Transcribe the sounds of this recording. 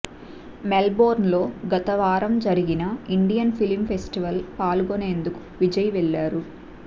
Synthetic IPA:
melbo̞ːɾnlo̞ːɡɐt̪ɐʋaːɾɐmd͡ʒɐɾiɡinɐiɳɖijɐnpʰilmpʰesʈiʋɐlpaːluɡone̞ːnd̪uku̥ʋid͡ʒɐjɐʋɛɭːaːɾu

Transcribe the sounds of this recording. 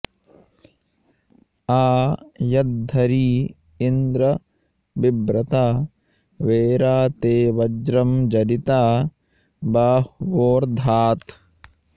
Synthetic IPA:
aːjɐd̪̚ʱːɐɾiː | ind̪ɾɐ | ʋibɾɐt̪aː | ʋeːɾaːt̪eːʋɐd͡ʒɾɐmd͡ʒɐɾit̪aː | baːhʋoːɾd̪ʱaːt̪

